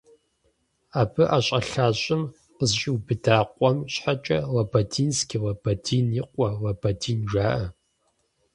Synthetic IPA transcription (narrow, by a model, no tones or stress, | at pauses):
aːbʰɨʔaɕʼɐɬaːɕʼɪm | qəzɕʼiwbɨdaːqʷʼɔmɕħat͡ʃʼɐlɐbɐdiːnskʲiwɐbɐdiːnjiqʷʼɔlɐbɐdiːnʒaːʔɐ